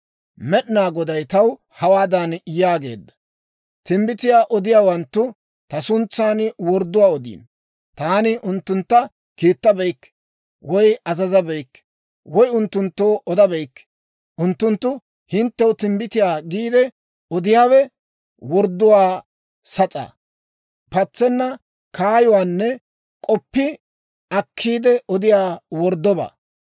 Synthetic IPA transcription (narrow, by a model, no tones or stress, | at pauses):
mɛɗɪnaːɡɔd̪ɐjt̪ɐw | hɐwaːd̪ɐnjaːɡe̞̰ːd̪ːɐ̥ | t̪ɪmbɪt̪ɪjaːʔɔd̪ɪjaːwɐnt̪ːʊ | t̪ɐsʊnt͡sːaːnwɔɾd̪ːʊwaːɔd̪ḭːn | t̪aːnɪʔʊnt̪ːʊnt̪ːɐ | kiːt̪ːɐbɛjkː | wɔjɐzɐzɐbɛjkː | wɔjʊnt̪ːʊnt̪ːoːʔɔd̪ɐbɛjkː | ʔʊnt̪ːʊnt̪ːʊ | hɪnt̪ːɛwʊt̪ɪmbɪt̪ɪjaːɡiːd̪ɛ | ɔd̪ɪjaːwɛ | wɔɾd̪ːʊwaː | sɐt͡sʼa̰ː | pɐt͡sːɛnːɐ | kʰaːjɔwaːnːɛ | kʼɔpːɪ | ɐkʰːiːd̪ɛʔɔd̪ɪjaːwɔɾd̪ːɔba̰ː